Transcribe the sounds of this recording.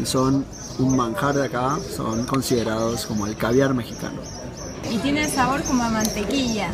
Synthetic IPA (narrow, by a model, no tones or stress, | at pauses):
ison | unmãŋxaɾðeakaso̞̰ŋko̞nsiðeɾaðosko̞mo̞elkaβjaɾme̞xika̰no | it̪jenensaβo̞ɾkomoamant̪e̞kiʝa